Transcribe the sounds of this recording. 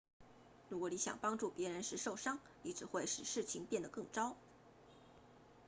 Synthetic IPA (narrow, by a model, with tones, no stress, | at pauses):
ɻu˧˥kwɔ˧˥ni˧˥ɕjɑ̰˨˩ŋpɑ˥ŋʈ͡ʂu˥˩pjɛ˧˥ɻə˧˥nʂɻ̩˥˧ʂo˥˩ʊʂɑ˥ŋ | ni˧˥ʈ͡ʂɻ̩˨˩xwe˥˩ɪʂɻ̩˨˩ʂɻ̩˥˩t͡ɕʰi˧˥˦ŋpjɛ˥˩nd̪ə˩kɤ˥˩ŋʈ͡ʂɑ˥ʊ